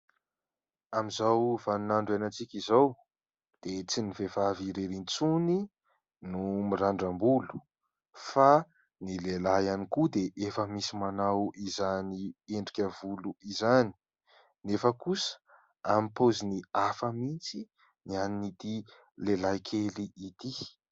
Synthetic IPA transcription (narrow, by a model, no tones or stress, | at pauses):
amizawvanunaɳɖ͡ʐanant͡sikʲizaw | d̪̥et͡sinivevaviɾeɾint͡suni | numiɾaɳɖ͡ʐambulu̥ | fa | nilelajanikud̪eʔefəmisimanawizanieɳɖ͡ʐikʲəvuluizani̥ | nefəkusə̥ | amipoziniafəmint͡si | nianinit̪i | lelajkʰeliʔit̪i